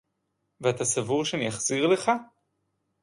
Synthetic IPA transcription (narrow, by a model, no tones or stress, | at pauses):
veat̪asavuʁʃeanijaχz̥iʁleχa